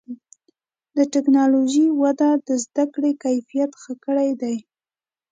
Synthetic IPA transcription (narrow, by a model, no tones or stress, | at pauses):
d̪əʈɪknɑloʒiwad̪ad̪əzd̪akɽekajfijat̪xəkəɽajd̪aj